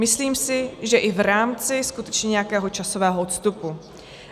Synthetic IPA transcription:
mɪsliːmsɪʒɛʔɪvɾaːmt͡sɪskut̪ɛt͡ʃɲɛɲɛjakɛːɦo̞t͡ʃaso̞vɛːɦoʔot̪st̪upu

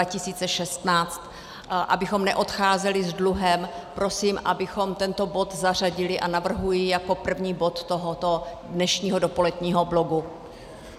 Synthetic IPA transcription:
acɪsiːt͡sɛʃɛst̪naːt͡st̪ | ʔa̰bɪxo̞mnɛʔo̞t̪xaːzɛlɪzdluɦɛmpɾo̞siːmʔabɪxo̞mt̪ɛnt̪o̞bo̞t̪zar̝aɟɪlɪʔanavr̩ɦujɪjako̞pr̩vɲiːbo̞t̪ːoɦot̪o | dnɛʃɲiːɦodopo̞lɛdɲiːɦo̞blo̞ɡu

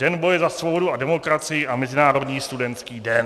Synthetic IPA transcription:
ɛnbo̞jɛzasvo̞bo̞duadɛmo̞kɾat͡sɪjɪʔamɛzɪnaːɾo̞dɲiːst̪udɛnt̪skiːdɛn

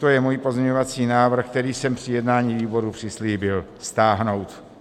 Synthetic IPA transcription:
t̪ojɛmuːjpozɲɛɲovat͡siːnaːvr̩xk̚t̪ɛɾiːsɛmpr̥ɪjɛdnaːɲiːviːbo̞ɾupr̝̥ɪsliːbɪlst̪aːɦno̞wt̪

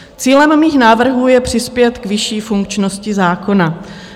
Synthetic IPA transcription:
t͡siːlɛmmiːxnaːvr̩ɦuːjɛpr̝̥ɪspjɛt̪kvɪʃiːfuŋk̚t͡ʃno̞scɪzaːko̞na

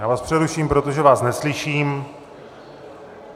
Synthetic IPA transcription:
jaːvaːspr̝̥ɛɾuʃiːmpɾot̪oʒɛvaːsnɛslɪʃiːm

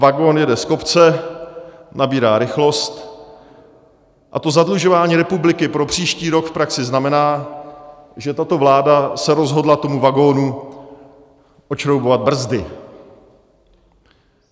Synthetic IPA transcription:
vaɡo̞njɛdɛsko̞pt͡sɛ | nabiːɾaːɾɪxlo̞st̪ | ʔat̪o̞zadluʒo̞vaːɲiːɾɛpublɪkɪpɾo̞pr̝̥iːʃciːɾo̞kfpɾaksɪznamɛnaː | ʒɛt̪at̪o̞vlaːdasɛɾo̞zɦo̞dlat̪o̞muvaɡo̞ːnu | ʔot͡ʃɾowbovad̪̚br̩zdɪ

